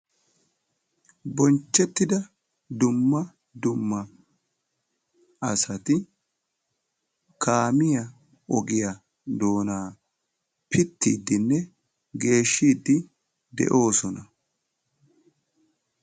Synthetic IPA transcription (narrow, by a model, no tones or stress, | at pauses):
bɔnt͡ʃːɛt̪ːɪd̪ɐ | d̪ʊmːɐ | d̪ʊmːɐ | ʔɐsɐt̪ɪ | kʰaːmɪjɐ | ɔɡɪjɐ | d̪o̞ːnaː | pʰɪt̪ːḭːd̪ːɪnːɛ | ɡe̞ːʃːiːd̪ːɪ | d̪ɛ̰ʔo̞ːsɔnɐ